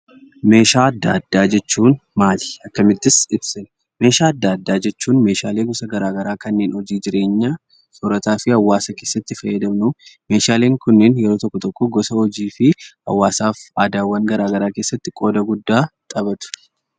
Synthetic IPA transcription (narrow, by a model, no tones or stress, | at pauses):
me̞ːʃaːɐd̪ːa̰d̪ːaːd͡ʒɛt͡ʃːuːnmaːlɪ̥ɐkːɐmɪd̪ːɪsɪbsɪn | me̞ːʃaːɐd̪ːaːd̪ːaːd͡ʒɛt͡ʃːuːnme̞ːʃaːle̞ːɡɔsɐɡɐɾaːɡɐɾaːkɐnːeːnhɔd͡ʒiːd͡ʒɪɾe̞ːɲːaː | sɔɾɐt̪aːfɪhɐwːaːsɐke̞ːsːɐt̪ːɪfɐjːɐd̪ɐmnʊme̞ːʃaːle̞ːŋkʊnːɪnjɛɾoːt̪ɔkːɔt̪ɔkːɔɡɔsɐɔd͡ʒiːfɪɐ̰wːaːsaːfaːd̪aːwːɐŋɡɐɾaːɡɐɾaːke̞ːsːɐt̪ːɪkʼoːd̪ɐɡʊd̪ːaːt̪ʼɐbɐt̪ʊ̥